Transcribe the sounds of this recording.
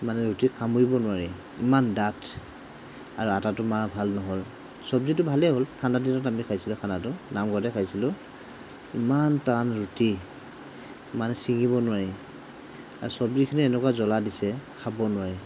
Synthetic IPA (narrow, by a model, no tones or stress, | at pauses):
manɛɹutikʰamoɹibɔnʊaɹi | imandatʰ | aɹuatatʊmaɹbʱalnɔɦɔl | sɔbzitʊbʱalɛɦoltʰandaditɔtamikʰajsilʊkʰanatʊnamɡɔtɛkʰajsilʊ | imantanɹuti | imanɛsiŋibɔnʊwaɹi | a̰ɹusɔbzikʰiniɛnɛkwazɔladisɛkʰabɔnʊwaɹi